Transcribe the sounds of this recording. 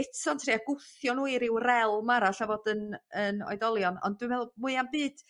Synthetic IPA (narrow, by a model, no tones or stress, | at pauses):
ɪtʰɔntʰriːaɡʊθjɔnuːiɾɪwrɛlˠmaɾaɬavɔdənənɔ̰jdɔlˠjɔnɔ̰ndwɨmɛlmuɨambɨːd̥